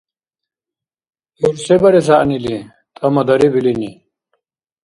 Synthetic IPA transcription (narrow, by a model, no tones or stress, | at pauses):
juɾsɛbaɾɛsaʔnili | t̪ʼamad̪aɾibilini